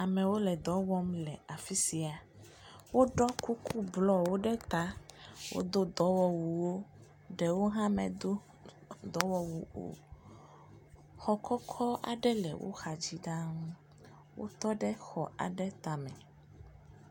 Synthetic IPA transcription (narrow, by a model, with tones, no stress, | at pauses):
a˨mɛ̃˨wo˦lɛ˨d̪ɔ˨˦wɔ˦mlɛ˨a˨fi˦si˨a˨ | wo˦ɖɔ˦ku˦ku˦blɔ˦wo˦ɖɛ˦t̪a˦wʔo̰˦d̪o˦d̪ɔ˨˦wɔ˦wu˨wo˦ | ɖɛ˨wo˦ɦã˦mɛ̰̃˨d̪o˦ | d̪ɔ˨˦wɔ˨wu˨o̰˨ | xɔ˦kʰɔ˦kʰɔ˦a̰˨ɖɛ˦lɛ̰˨wʔo̰˦xa˨d͡ʑi˦ɖã˦ŋũ˦ | wo̰˦t̪ɔ˦ɖɛ˦xɔ˨a̰˨ɖɛ˦t̪a˨mɛ̃˨